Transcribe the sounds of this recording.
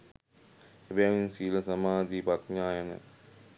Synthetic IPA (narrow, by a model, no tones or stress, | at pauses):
ebejaʋinsiːləsɐmaːd̪iːpat̪ɲaːjənə̰